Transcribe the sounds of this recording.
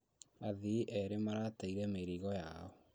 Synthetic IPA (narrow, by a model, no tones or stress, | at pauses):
aðiʔɛɾemaɾataiɾɛmeɾiɣɔjaɔ